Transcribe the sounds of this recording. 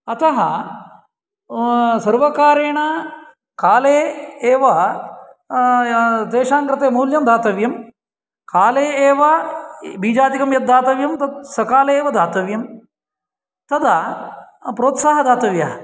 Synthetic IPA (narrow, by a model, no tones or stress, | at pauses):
ɐt̪ɐɦɐ | sɐɾʋɐkaːɾeːɳɐ | kaːleːeːʋɐ | t̪eːʂaːŋkɾɪt̪eːmuːljɐmd̪ʱaːt̪ɐʋjɐm | kaːleːeːʋɐbiːd͡ʒaːt̪ikɐmjɐt̪̚d̪ʱːaːt̪ɐʋjɐmt̪ɐt̪̚sɐkaːleːʋɐd̪ʱaːt̪ɐʋjɐm | t̪ɐd̪ʰɐ | pɾoːt̪saːɦɐd̪aːt̪ɐʋjɐɦɐ